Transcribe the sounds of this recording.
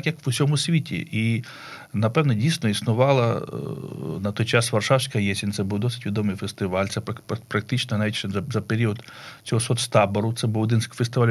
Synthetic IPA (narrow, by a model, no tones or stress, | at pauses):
kjɐkʋʊsʲɔmʊsʲʋʲitʲḭʔi | nɐpɛwnɔdʲijsʲnɔisnʊʋɑlˠɐ | nɐt̪ɔjt͡ʃasʋɐrʂɑwsʲkɐjesʲɪnʲt̪sɛbuwd̪ɔsɪ̥tʲʋʲid̪ɔmɨjfest̪ɪʋalʲt̪sɛpɐkppɾɐk̚t̪ɪt͡ʃnɐɦnaʋʲitʲɛzɐzɐpeɾʲiɔt̪ | sʲɔɦɔsɔt̪st̪ɑbɔɾʊt̪sɛbɨwɔd̪ɪnsʲkfest̪ɪʋalʲ